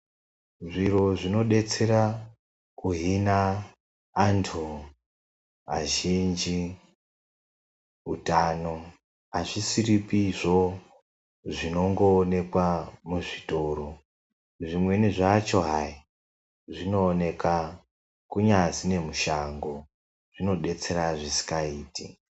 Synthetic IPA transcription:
ʐiro̞ʐino̞ɗe̞t͡se̞ɾa | kuɦinaː | ntʰu | a̰ʒind͡ʒi | ɦṵtano̞ | ɦaʐisiripiʐo̞ | ʐino̞ŋɡo̞ːne̞kwamuʐitoɾo | ʐimwe̞niʐat͡ʃo̞ɦai | ʐino̞ːne̞ka | kuɲazine̞muʃaŋɡo | ʐ̥ino̞ɗe̞t͡se̞ɾaʐisi̥kaiːtḭ

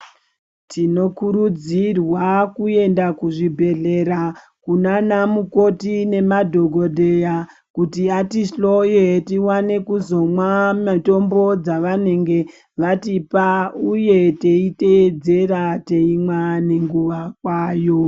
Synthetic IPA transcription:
tino̞kuɾud͡zirwakue̞ndakuʐibʱe̞ɮe̞ɾa | kunanamuko̞tine̞madʱo̞ɡʱo̞dʱe̞ja | kutiatiʃɬo̞jetiwane̞kuzo̞mwamato̞mbo̞d͡zaʋane̞ŋɡe̞ | ʋatipauje̞teited͡ze̞ɾateimwane̞ŋɡuʋakwaːjo̞

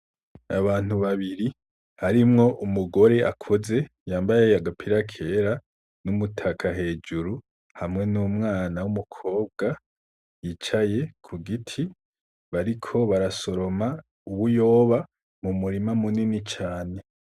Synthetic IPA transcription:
aβaːn̥huβaβiɾi | haɾimŋo̞ʔumuɡo̞ɾe̞ʔa̰kʰo̞ze̞ | jaːmbajejaɡapʰiɾakʰe̞ɾa | numutʰakʰaɦe̞ːd͡ʒuɾu | hamŋe̞nuːmŋaːnawumukʰo̞ːb̚ɡa | jit͡ʃaje̞kʰuɡitʰi | βaɾikʰo̞βaɾaso̞ɾo̞ma | uβujo̞ːβa | mumuɾimamuninit͡ʃaːne̞

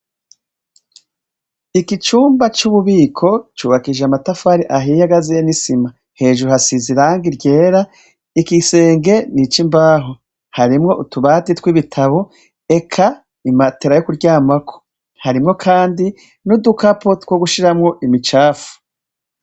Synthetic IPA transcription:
ikit͡ʃuːmbat͡ʃuβuβiːkʰo̞t͡ʃuːβakiʒeamatafaɾiʔaɦijaɡazijenisima | he̞ːʒuɾuhasiziɾaːŋɡiɾɟe̞ːɾa | ikise̞ːŋɡe̞nit͡ʃimbaːɦo | haɾimŋo̞ʔutuβatitwiβitʰaβo | e̞kʰa | imateɾajokuɾɟaːmakʰo̥ | haɾimŋo̞kʰaːndi | nudukapotwoɡuʃiɾamŋo̞ʔimit͡ʃaːfu̥

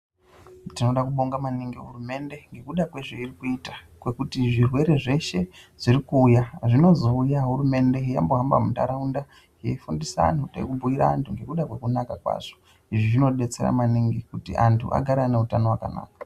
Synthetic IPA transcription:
tino̞ɗakuɓo̞ŋɡamaniŋɡiɦurume̞nde̞ŋɡe̞kuɗakweʐeirikuita | kwe̞kutiʐirwe̞ɾe̞ʐe̞ʃe̞ʐ̥iɾikuːjaʐino̞zoujaɦuɾume̞nde̞ɦija̰mboɦamba̰munda̰ɾaunda | ɦiifundisa̰nutḛikubʱuiɾa̰ːntʰuŋɡe̞kuɗakwe̞kunakakwa̰ʐ̥o̥ | iʐiʐino̞ɗe̞t͡se̞̰a̰maniŋɡikutḭʔantʰṵʔa̰ɡʱaɾaneutano̞waka̰na̰ːkḁ

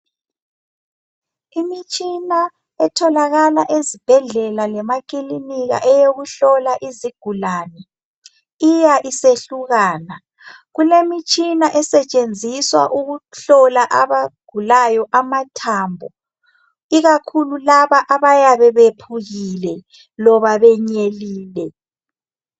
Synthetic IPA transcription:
imit͡ʃʼina | ɛtʰɔlaɣalaʔezib̥ʱɛɮɛlalɛmakʼiliniɣa̰ʔɛjoɣuɬɔlaʔiziɡ̥ʱulaːnɛ | ijaʔiseɬuɣaːna | ɣulemit͡ʃʼinaʔɛsɛt͡ʃʼend͡zʱiswa̰ʔuɣuɬɔlaʔaβaɡ̥ʱulajɔʔamatʰaːmbʱɔ | iɣakʰululaβaʔaβajaβɛβepʰuɣilɛ | lɔβaβɛɲeliːlɛ

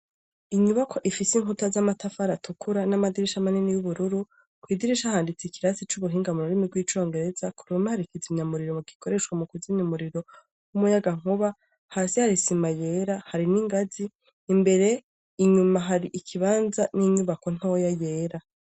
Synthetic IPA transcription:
iɲuβakʰo̞ʔifisiŋutazamatafaɾatukʰuɾanamadiɾiʃamaninijuβuɾuɾu | kwiːdiɾiʃahaːndit͡sikiɾasit͡ʃuβuɦiːŋɡamuɾuɾimiɡwiːt͡ʃo̞ːŋɡe̞ɾe̞zakuɾumahaɾikizimɲamuɾiɾomuɡiko̞ɾe̞ʃwamukuzinimuɾiɾo̞ | wumujaɡaŋ̥uβa | haːsihaɾisimajeːɾahaɾiniŋɡaziː | mbe̞ɾe̞ | iɲumaɦaɾiʔikʰiβaːnzaniɲuβako̞n̥ojaje̞ːɾa

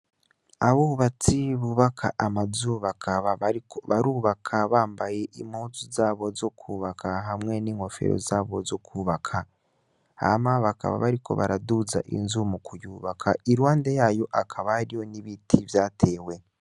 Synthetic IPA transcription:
aβuːβat͡siβuβakʰa̰ʔamazuβakʰaβaβaɾikoβaɾuːβakʰaβaːmbaje̞ʔimoːt͡suzaːβo̞zo̞kʰuːβakʰaɦamŋe̞niːŋho̞fe̞̰ɾo̰zaːβo̞zo̞kʰuːβakʰa | a̰maβakʰa̰βa̰βaɾikʰo̞̰βaɾaduza̰ʔḭnzumukujuːβakʰaiɾwaːndejaːjo̞ʔakʰaβaaɾijo̞niβitʰivjaːtʰe̞ːwe̞

